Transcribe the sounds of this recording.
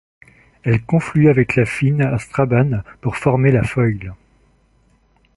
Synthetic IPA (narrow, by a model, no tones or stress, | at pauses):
ɛlkɔ̃flyavɛklafinast̪χabanpuʁfɔʁmelafɔjɡl